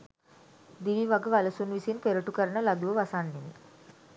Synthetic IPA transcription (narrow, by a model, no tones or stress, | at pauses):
d̪iʋiʋaɡəʋalɐsunʋisinpeɾəʈukəɾəɳəlad̪uʋəʋasanːenḭ